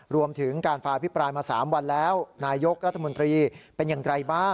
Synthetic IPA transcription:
ɾu˧əmt̪ʰɯ˩˦ŋkaː˧nfaː˧ʔa˧pʰi˦˥pɾaː˧jmaː˧sa̰ː˩˦mwa˧nlɛː˦˥wnaː˧jo˦˥k̚ɾa˦˥t̪ʰːmo˧nt̪ɾiː˧pe˧njaː˨˩ŋɾa˧jbaː˥˩

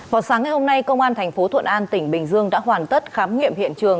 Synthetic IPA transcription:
vaː˨˩wsaː˨˦ŋa˨˩jho˧mna˧jkə˧wŋ͡mʔaː˧nt̪ʰɛ˨˩jŋ̟fo˨˦t̪ʰwə̰˧˨nʔaː˧nt̪ï˧˩ŋ̟ɓï˨˩ŋ̟zɨ˧əŋɗa̰ː˧˥hwaː˨˩nt̪ə˦˥t̚xaː˨˦mŋḭ˧əmhḭ˧˨ənt͡ɕɨ˨˩əŋ

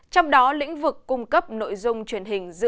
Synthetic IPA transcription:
t͡ɕɔ˧wŋ͡mɗɔ˨˦lḭ̈˧˥ŋ̟vɨ˨˩kːʊ˧ŋ͡mkə˦˥p̚no̰˧˨jzʊ˧ŋ͡mt͡ɕwi˨˩ənɦï˨˩ŋ̟zɨ̰˧

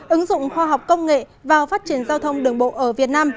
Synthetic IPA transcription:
ʔɨ˨˦ŋzʊ̰˧˨ŋ͡mxɔ˧ɦa˨˩wk͡p̚kə˧wŋ͡mŋḛ˧˨ | vaː˨˩wfaː˦˥t̚t͡ɕi˧˩ənzaː˧wt̪ʰə˧wŋ͡mɗɨ˨˩əŋɓo̰˧˨ʔəː˧˩vi˨˩ət̚naː˧m

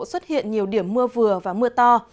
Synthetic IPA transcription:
swə˦˥t̚hḭ˧˨ənɲi˨˩əwɗi˨˧˩əmːɨ˧əvɨ˨˩əvaː˨˩mɨ˧ət̪ɔ˧

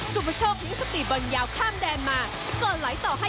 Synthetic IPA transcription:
zʊ˨˩mə˨˩sɔ˧kḭ˨˧˥ŋsə˦˥k̚ɓḭ˧˨˩ɓə˨˩ŋzaː˨˩wxʰaː˧mɗɛ˨˩maː˨˩ | kɔ˨˩nla̰˧˥jt̪ɔ˧˩ɦa˧

